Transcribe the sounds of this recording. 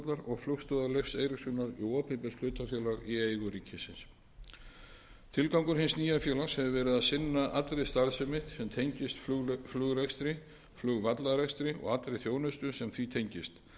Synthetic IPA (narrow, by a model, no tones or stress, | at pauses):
t̪laɾɔɣflʏxst̪ʏðalejfseːjɾɪksʏːnaɾiɔːpʰɪpɪsʰl̥ʏːt̪afjœːlaɣiejɣʏɾiːcʰɪsɪns | t̪ʰɪlkawŋkʏɾ̥ɦɪnsniːjafjœːlashɛvɪvɛːɾɪðasɪnːaʔat̪lɾɪjst̪aɾsʏmɪht̪sɛmt̪ʰejɲcɪst̪flʏɣɾekst̪ɾɪ | flʏɣvat̪laɾɛjkst̪ɾɪɔ̰ɣat̪ɾejθjoːwnʏst̪ʏsɛmθit̪ʰejɲcɪst̪